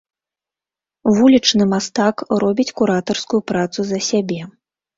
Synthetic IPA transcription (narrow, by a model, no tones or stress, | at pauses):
vulʲit͡ʂnɨmast̪akrɔbʲit͡sʲkuɾat̪ɐrskujupɾat̪suzɐsʲabʲɛ